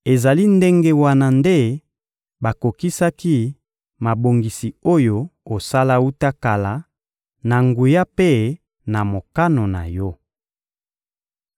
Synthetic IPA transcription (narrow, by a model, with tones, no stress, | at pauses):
e˨za˨li˦nde˦ŋɡe˦wa˦na˨nde˦ | ba˨ko˨ki˦sa˦ki˦ | ma˨bo˨ŋɡi˨si˨o˦jo˦o˨sa˦la˦u˦ta˦ka˨la˨ | na˨ŋɡu˨ja˦pe˦ | na˨mo˨ka˦no˨na̰˨jɔ˦